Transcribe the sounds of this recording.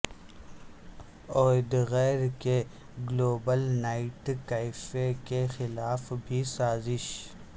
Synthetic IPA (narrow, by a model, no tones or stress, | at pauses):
oːd̪ɣɛːɾke | ɡloːbəlnaːɪʈkaɪfekexɪlaːfbʱisaːzɪʃ